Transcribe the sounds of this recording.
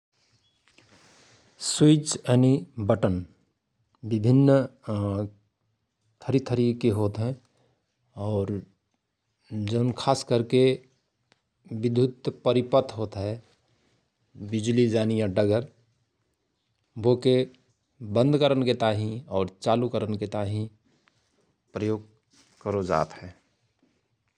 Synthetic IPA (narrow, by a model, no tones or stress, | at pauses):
swit͡ʃɛnibəʈən | bɪbʱɪnː | t̪ʰəɾit̪ʰəɾikeɦoːt̪ɦɛ̃ | ɔːɾ | d͡ʒoːnkʰaːskəɾke | bɪd̪ʱʊt̪pəɾɪpət̪ʰɦoːt̪ɦɛ | bɪd͡ʒlid͡ʒaːnijaɖəɡəɾ | boːke | bə̃nd̪kəɾənket̪aːɦĩɔːɾt͡ʃaːlukəɾənket̪aːɦĩ | pɾəjoːɡ̚ | kəɾod͡ʒa̰ːt̪ɦɛ̃ː